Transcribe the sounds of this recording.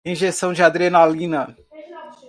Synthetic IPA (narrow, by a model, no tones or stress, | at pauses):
ĩʒesɐ̃w̃d͡ʒɪad̪ɾienalĩnɐ